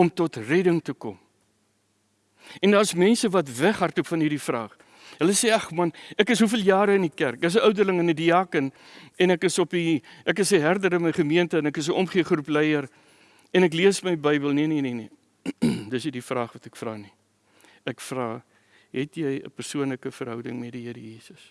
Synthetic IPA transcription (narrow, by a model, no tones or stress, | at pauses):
ɔmtɔtrɛdəŋtəkɔ̰m | ɛndɑːsmɛnsəvɐtvæχɦɐrtupfɐnɦirdifrɑːχ | ɦələseːɑχmɐnækəsɦufiəlˠjɑːɾəənikærk̚dəs̬əʔœwdərləŋənidiɑːkən | ɛnækəsɔpiʔækəsəɦærdəɾənməjχəmiəntəənækəsəʔɔmχiəχruplɛjər | ɛnækliəsməjbəjbəlˠniəninini | dəsnidifrɑːχvɐtɛkfrɑːni | ækfrɑː | ɦɛtjəjə̰pərsuənləkəfəɾɦœwdəŋmɛdiɦiəɾəjiːsəs